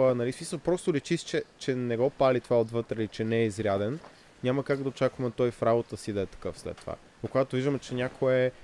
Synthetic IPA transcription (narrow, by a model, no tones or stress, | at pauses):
ənɐlismisəlˠpɾɔst̪olit͡ʃist͡ʃɛt͡ʃɛnɛɡɔpalit̪ovaot̪vɤt̪ɾɛlit͡ʃɛnɛɛizɾʲad̪ɛn | ɲʲaməkaɡd̪ɐot͡ʃakvɐmɛt̪ɔjfɾabot̪əsid̪ɐɛt̪ɐ̥kɤfslɛ̰t̪ːova̰ | okoɡat̪oviʒd̪əmɛt͡ʃɛnʲakʰoɛ